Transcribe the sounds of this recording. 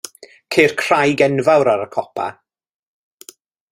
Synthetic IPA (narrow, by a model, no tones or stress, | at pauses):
kʰeːr̥kʰr̥ajɡɛnvawɾaɾəkʰɔpʰa̰